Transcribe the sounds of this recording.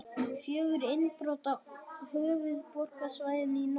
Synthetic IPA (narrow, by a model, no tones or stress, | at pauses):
fjœːɣʏɾɪnpɾɔːt̪ahœːvʏðpɔr̥kasvaːjðɪt̪nin